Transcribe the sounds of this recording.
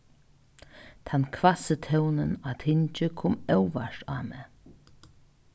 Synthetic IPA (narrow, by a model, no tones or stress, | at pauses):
t̪ʰankʰvasət̪ʰɛwnənat̪ʰɪɲt͡ʃəkʰʊmɛwvaʃt̪aːmɛ